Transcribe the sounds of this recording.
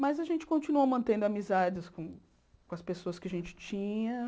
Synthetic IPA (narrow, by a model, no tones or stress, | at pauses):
mɐzɐʒẽnt͡ʃɪ̥kõt͡ʃinuɐmɐ̃nt̪ẽnd̪ʊamizad͡ʒɪskõ | kõɐspesoɐskɪɐʒẽnt͡ʃɪ̥t͡ʃĩɲɐ